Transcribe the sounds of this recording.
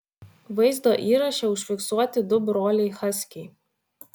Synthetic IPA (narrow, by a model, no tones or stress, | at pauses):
ʋɐɪzd̪oːʔiːɾɐʃʲɛʊʃʲfʲɪksuɔt̪ʲɪd̪ʊbɾoːlʲɛɪxɐsʲkʲɛɪ